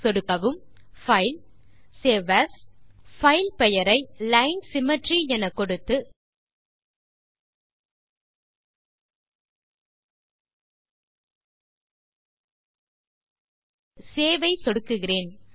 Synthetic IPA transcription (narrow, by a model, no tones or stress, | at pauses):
sɔɽɯkːɐʋɯm | fɐɪl | seːʋɐsfɐɪlpɛjɐɾɐɪlɐɪnsɪmːɐʈriɛnɐkɔɽɯt̪ːɯ | seːʋɐɪsɔɽɯkːɯɣɪreːn